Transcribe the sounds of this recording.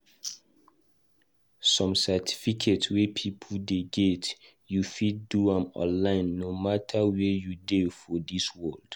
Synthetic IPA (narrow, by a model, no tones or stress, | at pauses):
sɔ̃msɛtʰi̥fikʰetwepʰipʰldeɡɛt | jufid̚duãmɔ̰̃nlãɪ̃nːomatʰawɛjudefɔdiswɜld̥